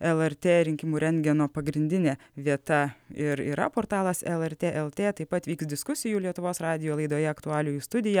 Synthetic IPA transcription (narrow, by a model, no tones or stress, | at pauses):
ɛlˠɛɾʲt̪ʲeːɾʲɪŋʲkʲɪmuːɾʲɛŋʲɡʲɛnoːpɐɡɾʲɪnʲd̪ʲɪnʲeː | ʋʲiɛt̪ɐɪɾḭːɾɐ̰poːɾt̪ɑːlˠɐsɛlˠɛɾʲt̪ʲeːʔɛlˠt̪ʲeːt̪ɐɪpɐt̪ʋʲiːksd̪ʲɪskʊsʲɪjuːlʲiɛt̪ʊʋoːsɾɑːd̪ʲɪjoːlˠɐɪd̪oːjɛɐkt̪ʊɑːlʲʊjust̪ʊd̪ʲɪjɛ